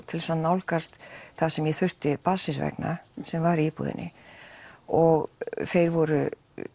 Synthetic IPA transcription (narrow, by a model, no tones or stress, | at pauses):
t̪ʰɪlsanawlkast̪θasɛmjɛθʏr̥t̪ɪpaðsɪnsvɛ̰kna̰sɛmvaɾiipṵðɪ̰nʔɪ | ɔɣθejɾvɔɾʏ